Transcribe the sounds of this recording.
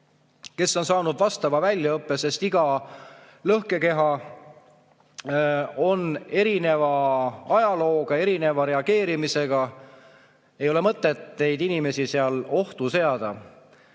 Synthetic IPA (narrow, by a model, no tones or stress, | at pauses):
ke̞sːo̞nsɑːnud̪vɑst̪ɑvɑvælʲjɑɤpːese̞st̪iɡ̥ɑ | lɤhke̞ke̞ɦɑ | o̞ne̞ɾine̞vɑɑjɑlo̞ːɡ̥ɑe̞ɾine̞vɑɾe̞ɑɡ̥e̞ːɾimise̞ɡ̥ɑ | e̞jo̞le̞mɤt̪ːˑe̞t̪ne̞jd̪inime̞sise̞ɑlo̞ht̪use̞ɑd̪̥ɑ